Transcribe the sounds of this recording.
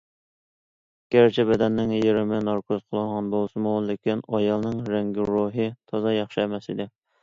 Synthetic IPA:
ɡ̥ʲæɾt͡ʃʰɛbɛd̪ɛnːɪŋjeɾɪmɪnɑɾkʰozqʰəlˠɨŋʁɑnbolˠsɨmulɪkʲinɑjɑlˠnɨŋɾɛŋɡʲiɾoɦɨt̪ʰɑzɑjɑχʃɨɛmɛsid̪ɪ

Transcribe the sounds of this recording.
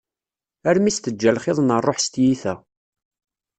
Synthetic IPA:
æɾmist̪əd͡ʒːælχɪðˤnərˤːoħst̪jiθæ

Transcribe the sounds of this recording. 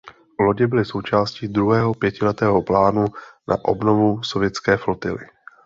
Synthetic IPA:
vlo̞ɟɛbɪlɪso̞wt͡ʃaːsciːd̪ɾuɦɛːɦo̞pjɛcɪlɛt̪ɛːɦo̞plaːnunʔa̰ʔo̞̰bno̞vuso̞vjɛt̪t͡skɛːflot̪ɪlɪ̰

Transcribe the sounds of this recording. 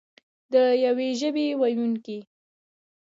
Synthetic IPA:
d̪əjaweʒəbewajuŋke

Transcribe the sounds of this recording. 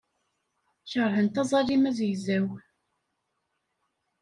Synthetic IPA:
çəɾˤhənt̪æzˤɑlimæzjzæw

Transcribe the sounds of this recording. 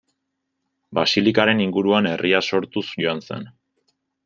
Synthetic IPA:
basilikaɾe̞niŋɡuɾuane̞rʔiaso̞ɾt̪usʝo̞anse̞̰n

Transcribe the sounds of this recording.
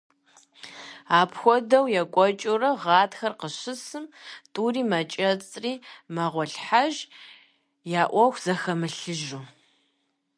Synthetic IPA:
aːpʰxʷɔdɐwjɛkʷʼɔt͡ʃʼʊrɐʁɑːtxɐrqəɕɨsɨmtʼuːriːmɐt͡ʃʼɐt͡sʼriːmɐʁʷɔɬħaʒ | jaːʔʷɔxʷz̥ɐxɐmɨɬɨʒuː

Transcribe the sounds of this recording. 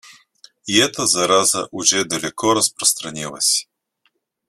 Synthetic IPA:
iɛt̪əzɐɾazə̰ʔuʒɛd̪ɐlʲɛkʰɔɾɐspɾost̪ɾɐnʲilˠə̰sʲi̥

